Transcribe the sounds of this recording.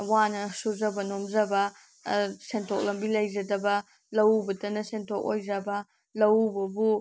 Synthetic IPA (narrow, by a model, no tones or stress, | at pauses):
wanɐsuzɐbɐnomzɐbɐ | sentʰok̚lɐmbilɐjzɐdɐbɐ | lɐwbɐtɐnɐsentʰok̚ojzɐbɐ | lɐwbɐbu